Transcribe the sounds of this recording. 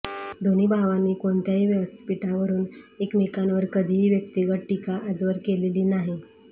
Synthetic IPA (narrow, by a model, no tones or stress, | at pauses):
d̪oñiːbʱaʋaniːkoɳt̪jaɦiːʋjəʋəst̪ʰpiʈaʋəɾuːnekmekanʋəɾkəd̪ʱiːɦiːʋjəkt̪iɡəʈikaʔad͡zʋəɾkeleliːnaɦi